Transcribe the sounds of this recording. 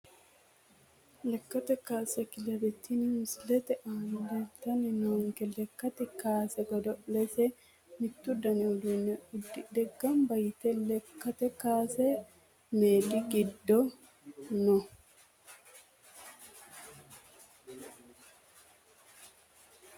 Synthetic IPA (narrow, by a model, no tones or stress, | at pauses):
lɛkːɐt̪ɛkaːsɛkɪlɛɾɛt̪ʰːinmslɛt̪ɛʔaːnlɛt̪ɐnɪnoːŋkɛlɛkːɐt̪ɛkaːsɛɡɔd̪ɔʔlɛsɛ | mɪt̪ːʊd̪ɐnɪʊd̪unɛʊd̪ɪd̪ɛɡːɐmbɐjt̪ɛlɛkːɐt̪ɛkaːsɛ | meːd̪ɪɡɪd̪ːɔ | nɔ